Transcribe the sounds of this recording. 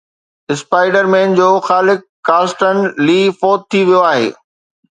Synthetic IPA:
ɪspaːɪɖəɾmẽːnd͡ʑoːxaːlɪkːaːsʈən̆liːfɔːt̪̚ʰːiʋijoaːɦḛː

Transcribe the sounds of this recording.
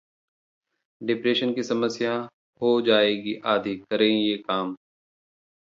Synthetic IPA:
ɖɪpɾeːʃənkisɐməsja | hod͡ʒaːeːɡiʔaːd̪ʱikəɾẽːjeːkaːm

